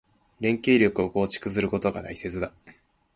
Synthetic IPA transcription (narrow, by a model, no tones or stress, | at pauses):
ɾẽ̞ŋke̞ːɾʲjo̞kɯ̟o̞ko̞ːt͡ɕi̥kɯ̟zɨɾɯ̟ko̞t̪o̞ɡa̰d̪aise̞t͡sɨd̪a